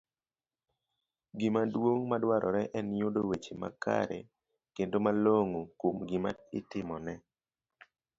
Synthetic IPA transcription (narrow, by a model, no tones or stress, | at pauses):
ɡimadwoŋmadwaɾʔɔɾɛʔɛnjodowet͡ʃema̰ka̰ɾḛ | kendomaloŋokomɡɪmaɪtɪmɔnɛ